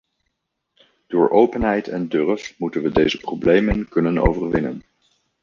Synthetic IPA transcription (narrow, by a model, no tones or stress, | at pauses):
d̥ʊːɹʔowpənɦɛjtʰɛndørfmutənʋədejzəprowblejmənkɵnəno̰wvərʋɪnə̰n